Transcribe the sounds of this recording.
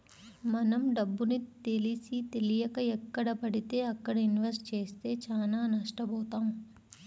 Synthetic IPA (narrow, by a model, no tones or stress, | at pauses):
mɐnɐmɖɐbːunit̪elisit̪elijɐkɐɛkːɐɽɐpɐɽit̪eːɐkːɐɽɐinʋɐsʈt͡ʃeːst̪eːt͡ʃaːnaːnɐʂʈɐbɔːt̪aːũ